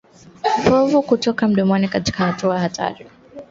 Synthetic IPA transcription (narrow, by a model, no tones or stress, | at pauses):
pɔvukutɔkam̩ɗɔmwanikati̥kahatuajahatʰa̰ɾi